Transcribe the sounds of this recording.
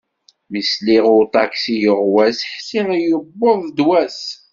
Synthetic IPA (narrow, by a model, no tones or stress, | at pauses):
misliʁʊɾt̪ɑksijəʁwæsħsiʁjəbːoðˤd̪wæs